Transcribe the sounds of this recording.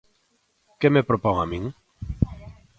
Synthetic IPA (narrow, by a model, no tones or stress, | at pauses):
kemepɾopɔŋamĩŋ